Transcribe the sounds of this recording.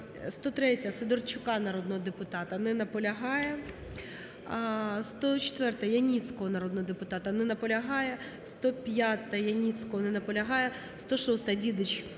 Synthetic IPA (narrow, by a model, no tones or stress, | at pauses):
st̪ɔt̪ɾɛtʲɐsɪd̪ɔrt͡ʃʊkɑnɐɾɔd̪nɔɦɔd̪epʊt̪ɑt̪ɐnɪnɐpɔlʲɐɦɑjɛ | st̪ɔt͡ʃt̪ʋɛrt̪ɐjɐnʲit̪t͡sʲkɔɦɔnɐɾɔd̪nɔɦɔd̪epʊt̪ɑt̪ɐnɪnɐpɔlʲɐɦɑjɛ | st̪ɔpʲjat̪ɐjɐnʲit̪t͡sʲkɔɦɔnɪnɐpɔlʲɐɦɑjɛ | st̪ɔʃɔst̪ɐdʲid̪ɪt͡ʃʲ